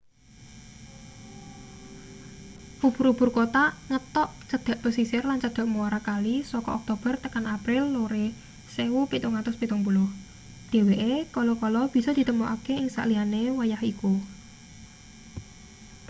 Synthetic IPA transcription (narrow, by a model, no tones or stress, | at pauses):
fubuɾub̥urkot̪aŋət̪ɔʔt͡ʃəd̪̥a̤ʔpəsisɪrlant͡ʃəd̪̥a̤ʔmuaɾakalisɔkɔʔɔk̚t̪ob̥ərt̪əkanapɾɪlːoɾe | sewupit̪uŋat̪ʊspit̪uŋbulɔh | d̪̥e̤weʔekɔlɔkɔlɔb̥i̤sɔd̪̥i̤t̪əmuʔakeɪŋsa̰ʔlianewajahiku